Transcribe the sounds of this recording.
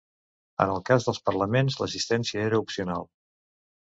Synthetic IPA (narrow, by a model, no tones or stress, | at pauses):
ə̰nəlˠkazðəlˠspərləmenzləs̬ist̪ɛnsiəeɾəupsiunalˠ